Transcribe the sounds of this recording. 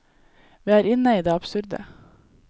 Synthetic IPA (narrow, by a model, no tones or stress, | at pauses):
ʋiːæːɾɪnəiːd̪eːɑpsʉɾd̪ə̰